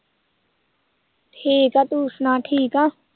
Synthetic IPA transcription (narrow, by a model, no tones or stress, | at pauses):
ʈʰiːkat̪uːsnãːʈʰiːka